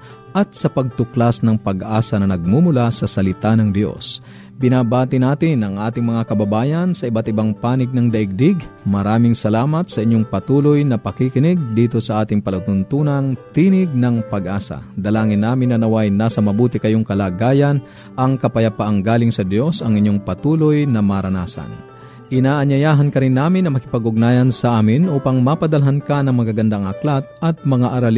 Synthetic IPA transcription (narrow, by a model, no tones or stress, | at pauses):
ʔɐt̪̚sɐpɐɡ̚t̪ʊklasnɐŋpɐɡʔaːsɐnɐnɐɡ̚mumʊlasɐsɐlɪt̪anɐŋd̪jo̞̰s | bɪnaːbaːt̪ɪnaːt̪ɪnʔɐŋʔaːt̪ɪŋmɐŋakɐbɐbaːjɐnsɐɪbat̪ɪbaŋpaːnɪɡ̚nɐŋd̪ɐʔɪɡ̚d̪ɪɡmɐɾaːmɪŋsɐlaːmɐt̪̚sɐʔɪɲːoŋpɐt̪uːlojnɐpɐkikɪnɪɡ̚d̪iːt̪o̞sɐʔaːt̪ɪŋpɐlut̪ʊnt̪uːnɐŋt̪inɪɡ̚nɐŋpɐɡʔaːsa̰d̪ɐlaːŋɪnːaːmɪnːɐnɐwajnaːsɐmɐbuːt̪ɪkɐjoŋkɐlaːɡaːjan | ʔɐŋkɐpɐjapaʔaŋɡaːlɪŋsɐd̪jo̞sɐŋɪɲjoŋpɐt̪uːlojnɐmaɾɐnaːsa̰n | ʔɪnaːʔɐɲɐjaːɦɐnkɐɾɪnːaːmɪnːɐmɐkɪpɐɡʊɡ̚naːjɐnsɐʔaːmɪnʔuːpɐŋmapɐd̪ɐlɦankanɐŋmɐɡaɡɐnd̪aːŋʔɐklat̪̚ʔɐt̪̚mɐŋaʔɐɾal